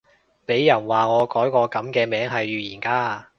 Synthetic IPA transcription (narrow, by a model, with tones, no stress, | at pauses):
pe˨˥jːɐ˨˩nwaː˨ŋɔː˨˧kɔː˨˥jkɔː˧kɐ˨˥mkɛː˧mɛː˨˥ŋɦɐ˨jɥyː˨jiː˨˩nkaː˧